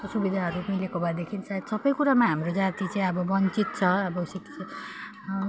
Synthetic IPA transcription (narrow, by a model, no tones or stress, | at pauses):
t̪osubid̪ʱaɦʌɾumilekobʱad̪ekʰinsad̪sʌbʌjkuɾamaɦamrod͡zat̪it͡saĩʌbʌbʌnt͡sit̪̚t͡sʰʌʌbʌsi